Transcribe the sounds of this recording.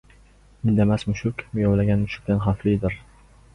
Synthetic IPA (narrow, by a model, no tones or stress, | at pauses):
mɪnd̪amasmʊʃʊkʲmjɒwlaɡʲanmʊʃʊ̥k̚ʲd̪anχaflɪd̪ɪɾ